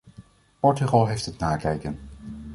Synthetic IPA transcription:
pɔɹtyχɑlˠɦejftətnaːkɛjkən

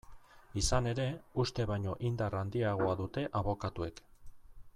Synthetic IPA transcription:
isane̞ɾe̞ust̪e̞βajɲo̞ʔind̪arand̪iaɣ̞o̞aðut̪e̞ʔaβo̞kat̪ue̞k

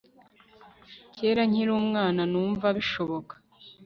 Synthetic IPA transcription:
ce̞ːɾaɲiɾuːmŋaːnanuːɱvaβiʃo̞βo̞kḁ

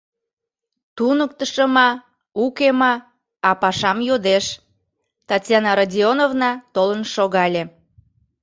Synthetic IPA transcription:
t̪unək̚t̪əʃəmɑ | ukemɑ | ɑpɑʃɑmjod̪eʃ | t̪ɑtʲjɑnɑɾadʲionovnɑt̪olənʃoɣɑlʲe

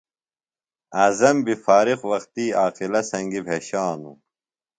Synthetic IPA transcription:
aːzɐmbifaːɾixwɐqt̪iːaːqilɐsɐŋɡibʱeːɕaːnṵ

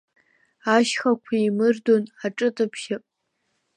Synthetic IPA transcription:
aʃχakʷʰaimɨrdonaʈ͡ʂʼɨtʼɨpʰʃɪpʼ

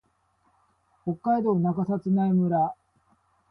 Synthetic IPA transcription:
ho̞kːaid̪o̞ːnaɡasat͡sɨnaimɯ̟ɾa

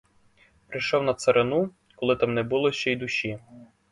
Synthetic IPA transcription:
pɾɪjʃɔwnɐt̪seɾʔenu | kɔlˠɪt̪amnɛbulˠɔʃt͡ʃɛjd̪ʊʃi

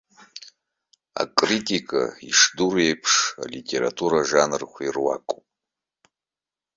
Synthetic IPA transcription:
a̰kʼritʼikʼa̰iʂdurejpʰʂa̰litʼe̞ɾa̰tʰuɾaʐanɨrχʷirwakʼopʼ

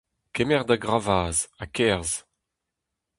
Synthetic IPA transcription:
kɛmɛʁd̪aɡʁavaːzakɛʁz

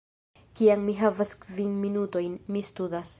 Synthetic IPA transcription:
kiaŋmiɦavaskvinminuto̞jnmistudas

